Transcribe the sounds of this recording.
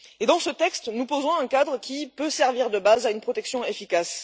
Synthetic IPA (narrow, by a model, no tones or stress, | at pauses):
ed̪ɑ̃sət̪ɛkst̪nupozɔ̃ɛ̃kad̪ʁəkʲipøsɛʁviʁd̪əbazaynpχɔt̪ɛksjɔ̃efikas